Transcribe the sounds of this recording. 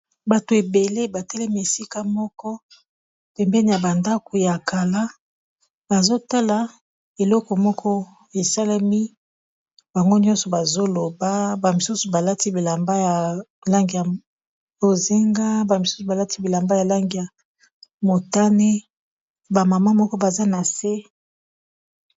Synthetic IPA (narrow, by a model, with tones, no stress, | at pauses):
ba˨to˨e˨be˨le˦ba˨tɛ˦lɛ˦mi˦e˨si˦ka˦mɔ˦kɔ˦ | pɛ˨mbɛ˦ni˨ja˨ba˨nda˦ku˨ja˨ka˨la˦ | ba˨zo˦ta˦la˨ | e˨lɔ˦kɔ˨mɔ˦kʰɔ˦ | e˨sa˦la˦mi˦ | ba˨ŋɡo˦ni˦ɔ̃˦sɔ˨ba˨zo˦lo˨ba˦ba˨mi˨su˦su˨ba˨la˦ti˦bi˨la˨mba˦ja˨la˦ŋɡi˨ja˨ | bo˨ze˦ŋɡa˦ba˨mi˨su̥˦su˨ba˨la˦ti˦bi˨la˨mba˦ja˨la˦ŋɡi˨ja˨ | mo˨ta˦ne˦ | ba˨ma˨ma˦mɔ˦kɔ˦ba˨za˦na˨se˦